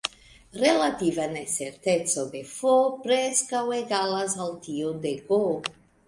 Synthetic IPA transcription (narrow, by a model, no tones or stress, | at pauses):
relat̪ivaneseɾt̪ett͡sodefopɾeskaweɡalasalt̪iod̪eɡo